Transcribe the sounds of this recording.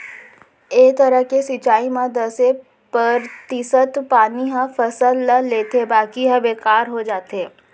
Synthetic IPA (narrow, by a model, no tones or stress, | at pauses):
eːkt̪ɐɾəkesit͡ʃaːimãd̪ɐse | pəɾt̪iːsət̪paːniɦãfʰɐsəlːəleːt̪ebaːkiɦə̃beːkaːɾɦod͡ʒaːt̪eː